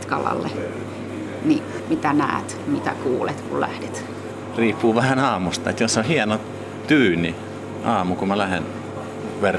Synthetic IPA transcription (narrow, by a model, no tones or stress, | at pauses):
t̪kɑlɑ̰lːḛ | ni | mit̪ænæːt̪mit̪æ̰kuːlet̪kullæ̰hdet̪ | riːpːuːʋæhænɑːmust̪ɑet̪josːohiɛno | t̪yːni | ʔɑːmukumælæhen | ʋer